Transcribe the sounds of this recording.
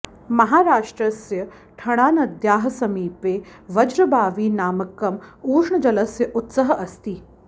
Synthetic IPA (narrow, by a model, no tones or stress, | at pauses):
mɐɦaːɾaːʂʈɾɐsjɐ | ʈʰɐɽ̃aːnɐd̪ʱjaːɦɐ̆sɐmiːpeːʋɐd͡ʒɾɐbaːʋiːnaːmɐkːɐmuːʂɳɐd͡ʒɐlɐsjɐʔʊt̪sɐɦɐʔɐst̪i